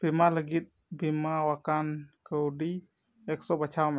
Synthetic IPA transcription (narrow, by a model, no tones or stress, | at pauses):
b̥imaləɡit̪̚ | bimawakankəwɖi | ɛk̚sɔbat͡ʃʰawma